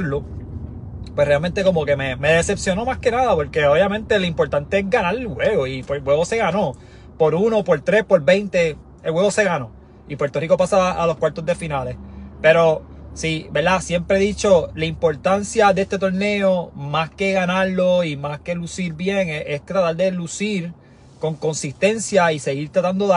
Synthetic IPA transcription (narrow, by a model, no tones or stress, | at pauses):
ɾlo | pwesre̞alme̞nt̪e̞ko̞mo̞ke̞meme̞ðese̞psjo̞no̞maske̞naðapo̞ɾke̞oβjamẽ̞nt̪e̞loimpo̞ɾt̪ant̪e̞esɡanaɾelhwe̞ɣoipeɡwe̞βose̞ɣano̞ | po̞ɾuno̞po̞ɾt̪ɾe̞spo̞ɾbe̞jnt̪e̞ | elwe̞βo̞se̞ɣano̞ | ipwe̞ɾt̪o̞riko̞pasaːlo̞skwaɾt̪o̞zd̪e̞finale̞spe̞ɾo̞ | sibe̞ɾd̪asje̞mpɾeðit͡ʃo̞laimpo̞ɾt̪ansjaðeest̪e̞t̪o̞ɾne̞o̞maske̞ɣanaɾlo̞imaske̞lusiɾbje̞ŋeʔest̪ɾat̪aɾd̪elusiɾ | ko̞ŋko̞nsist̪e̞nsjaise̞ɣiɾt̪ɾat̪and̪oð